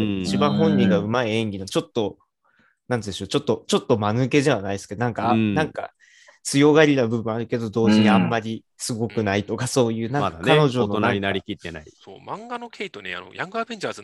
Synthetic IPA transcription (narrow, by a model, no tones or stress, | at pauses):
it͡ɕibãhõ̞ɲ̟ːĩŋɡaɯ̟maiẽ̞ŋɡʲinat͡ɕo̞t̪ːo̞ | nãnt̪d̪eɕot͡ɕo̞t̪ːo̞t͡ɕo̞t̪ːo̞manɯke̞ʑaβ̞anaisɨ̥ked̪onãŋkanãŋka̰ | t͡sɨjo̞ɡaɾʲinabɯ̟bɯ̟ɰ̃aɾɯ̟ke̞d̪od̪o̞ːʑiɲ̟iamːaɾʲi | sɨɡo̞kɯ̟nait̪o̞kaso̞ːjɯ̟ːnãŋmadaank̪ano̞ʑo̞noonaɾʲinaɾʲikʲit̪ːena̰iso̰ːmãŋɡanokʲʰe̞it̪onḛa̰no̞̰jãŋɡɯabeɲt͡ɕaːzɨ